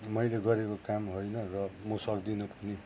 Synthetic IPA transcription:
mʌjleɡʌɾekokamɦojnʌrʌmosʌkd̪inupʌni

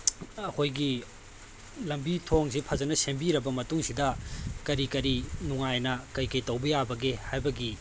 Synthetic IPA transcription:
ɐkʰojɡi | lɐmbitʰoŋsipʰɐzɐnɐsembiɾɐbɐmɐtuŋsidɐkɐɾikɐɾinuŋajnɐkɐjkɐjtɐwbɐjabɐɡehajbɐɡi

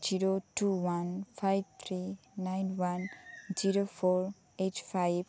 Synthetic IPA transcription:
d͡ʒiɾotuwanpʰajb̚t̪ʰɾinajnwand͡ʒiɾopʰoɹ | etpʰajb

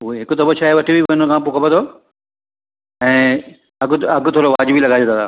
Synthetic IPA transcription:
ɦuɦeɦɪkʊt̪ɐbot͡ɕʰaːɦeʋɐʈʰibibɐnəkʰãp̬ʊkʰəpə̃t̪ʰoː | ɛ̃ː | ɐɡɐɡʱt̪ʰoːɾloʋaːd͡ʑbilɐɡaːet̪ʰaːt̪ʰaː

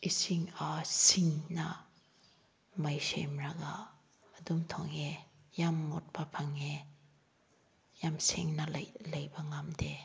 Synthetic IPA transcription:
isiŋasiŋna | majsḛmɾaɡaː | dumtʰɔ̰ŋe | jamːɔt̚bapʰaŋe | jamsḭŋnɐlɐjbaŋamde

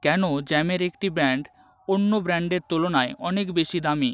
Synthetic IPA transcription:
kɛnod͡ʑɛmeɾek̚ʈibɾɛɳɖ | onːobɾɛɳɖeɾt̪olonaeɔnekbeʃid̪ami

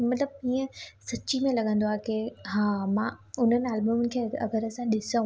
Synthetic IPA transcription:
mɐt̪ləb̚iːə̃sɐt͡ɕimẽlɐɠə̃nd̪oaːkeɦãːmãʊn̤ənɪaːlbəmənɪ̆kʰeːɐ̰ɡəɾəsãɗɪsəũ

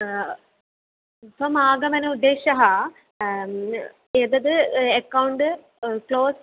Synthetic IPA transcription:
fɐmaːɡɐmɐnɐud̪ːeːʂɐɦɐ | ed̪ɐd̪ɨekːɐwɳɖɨ | kloːs

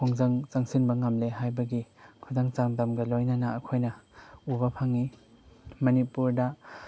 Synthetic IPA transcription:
kʰɔŋzaŋt͡ʃaŋsinbɐŋamleɦajbɐɡikʰudaŋt͡ʃamdamɡɐlojnanaːkʰojnɐubɐpʰaŋi | mɐnipuɾda

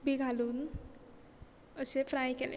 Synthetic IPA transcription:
bʱiɡʱaluːn | əɕefɾajkelḛ

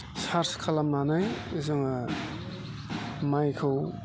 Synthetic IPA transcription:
saɾskʰalamnanajzɯŋa | majkʰɯw

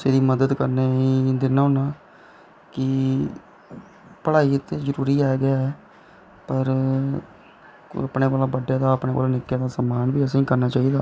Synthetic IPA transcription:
seːd̪iːməd̪əd̪kəɾneːiːd̪ɪnaːɦʊnaː | kɪ | pəɽaːiːt̪eːzəɾuːɾiːɛːɡjaːɦɛː | pəɾ | əpneːkaːlaːbəɖːeːd̪aːəpneːʋa̰ːlaːnɪkːeːd̪aːsəmaːnbiːəsẽːkəɾnaːt͡ʃaːiːd̪aː

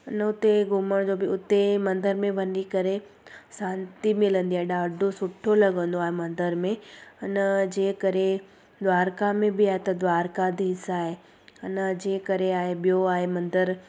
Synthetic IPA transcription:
ʊnəʊt̪eɡʱʊməɽ̃d͡ʑoːbɪʊt̪emɐ̃nd̪əɾmẽʋɐnikɐɾe | sãːnt̪imɪlə̃nd̪iaːɦeɗaːɖʱosʊʈʰolɐɠə̃nd̪oaːɦemɐ̃nd̪əɾmẽʊnəd͡ʑeːkɐɾe | d̪ʋaːɾkamẽbɪaːɦet̪ɐd̪ʋaːɾkad̪ʱiːsaːɦe | ʊnəd͡ʑeːkɐɾeaːɦeɓijoaːɦemɐ̃nd̪əɾ

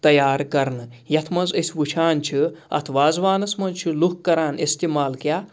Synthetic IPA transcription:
t̪ɐjaːɾkɐɾnɨ | jɐt̪ʰmɐnzɐsʲʋut͡ʃʰaːnt͡ʃʰiɐ̰t̪ʰʋaːzʋaːnɐsmɐnzt͡ʃʰiluk̚ʰkːɐɾaːnest̪imaːlkjaː

